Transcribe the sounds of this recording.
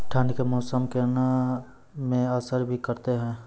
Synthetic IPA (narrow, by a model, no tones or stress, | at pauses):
ʈʰə̃ɳɖkemɔːsəmkena | mẽəsəɾbʱikɐɾt̪eɦɛ̃ː